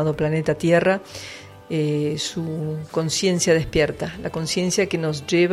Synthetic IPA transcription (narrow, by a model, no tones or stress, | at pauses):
aðo̞plane̞t̪at̪jera | esuko̞nsje̞nsjað̞ehpjeɾt̪alako̞nsje̞nsjakeno̞sʒeβ